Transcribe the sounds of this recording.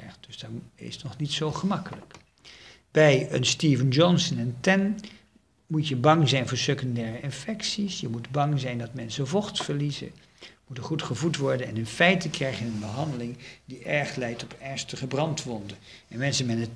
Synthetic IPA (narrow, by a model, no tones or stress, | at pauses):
χt̚d̥ɵzdaɪ̰snɔχnitsowχəmɑkələk | bɛjə̰nstivənd͡ʒɔnsənɛntɛn | mucjəbɑŋzɛjnvʊːɹsøkəndɛːrəɪnfɛksisjəmudbɑŋzɛjndɑtmɛnsəvɔχtfəɹlizə̰ | mutəχutχəvutʋɔɹdənɛnənfɛjtəkrɛjχənənbəɦɑndəlɪŋdiʔɛɹχlɛjtɔpɛɹstəχəbrɑntʋɔndə | ɛnmɛnsəmɛtət